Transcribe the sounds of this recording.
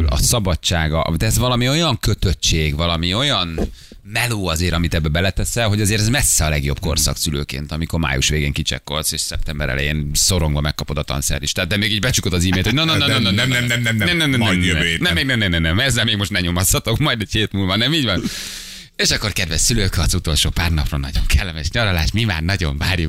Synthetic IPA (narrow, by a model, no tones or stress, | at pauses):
lɒ̰sɒbɒt͡ʃt͡ʃːaːɡɒ̰d̪ɛɛzʋɒlɒmio̞jɒŋkøt̪øt͡ʃːeːɡvɒlɒmio̞jɒn | mɛloːɒzeːɾɒmit̪ɛbːɛbɛlɛt̪ɛsɛlɦo̞ɟɒzeːɾɛzmɛsːɛɒlɛɡjo̞̰bko̞̰rsɒ̰ksylø̰ːkḛːnt̪ɒmiko̞rma̰ːjṵʃʋeːɡeːŋkit͡ʃɛ̰kːo̞lseːʃsɛp̚t̪ɛmbɛ̰ɾɛ̰lɛ̰jḛːnso̞ɾo̞ŋɡvɒmɛkːɒpo̞d̪ɒt̪ɒ̰nsɛ̰ɾiʃt̪ɛat̪d̪d̪ɛmeːɡiːɟbɛt͡ʃukod̪ɒziːmeːlt̪hononoononoɛɛnɛmnɛmnnɛmnɛmnɛmnmnɛmeːɡnɛmnɛmnɛmnɛmɛzːɛlmeːɡmo̞ʃt̪nɛɲomɒshɒt̪o̞kmɒjd̪ɛcheːt̪mulvɒnɛmiːɟvɒn | eːʃɒkːo̞rkɛd̪vɛssyløːkɒzut̪o̞lʃoːpaːrnɒprɒnːɒ̰ɟo̞̰ŋkʰɛlːɛmɛʃɲɒɾɒlaːʃmima̰ːrnɒɟo̰ɱvaːɾjuk